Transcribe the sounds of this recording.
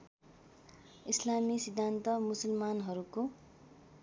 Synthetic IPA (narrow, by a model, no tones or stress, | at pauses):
islamisid̪ʱːant̪ʌmusʌlmanɦʌɾuko